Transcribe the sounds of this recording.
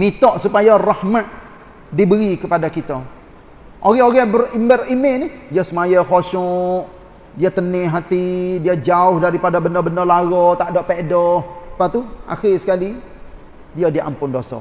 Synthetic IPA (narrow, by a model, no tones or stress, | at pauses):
mit̪ɔʔsupajarahmaʔ̪̚ | dibəɾikəpadakit̪a | ʔoɣɛoɣɛbərimərimɪnɪdiasəmajaxoʃɔʔ | diat̪ənɪɦat̪idiad͡ʒaʊhdaɾipadabəndəbəndəlaɣɔt̪aʔdɔʔpedɔhpat̪uʔa̰xɪsə̥kali | diadiʔa̰mpʊndosɔ̰